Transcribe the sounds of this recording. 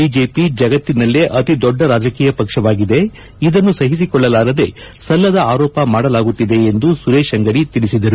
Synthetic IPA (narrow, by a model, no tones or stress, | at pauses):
iːd͡ʒe̞ːpid͡ʒɐɡɐt̪ːinɐlːeʔɐt̪id̪ɔɖːɐɾaːd͡ʒɐkiːjɐpɐkʂɐʋaːɡid̪e̞ | id̪ɐnːusɐɦis̬ikɔɭːɐlaːɾɐd̪e̞ | sɐlːɐd̪ɐaːɾɔːpɐmaːɽɐlaːɡut̪ːid̪e̞ːnd̪usuɾeːʃɐŋɡɐɽit̪iɭisid̪ɐɾu